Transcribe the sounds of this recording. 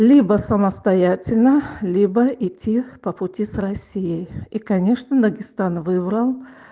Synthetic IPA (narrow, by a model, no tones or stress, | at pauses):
lʲibəsəməst̪ɐjatʲɪlʲnəlʲibəɪtʲʰːipəpʊtʲisrɐsʲijəjikɐnʲe̞ʂnəd̪əɡʲɪst̪anvɨbɾəlˠ